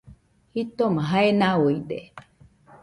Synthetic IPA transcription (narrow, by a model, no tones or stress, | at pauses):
hit̪omãɦaenawoiɗḛ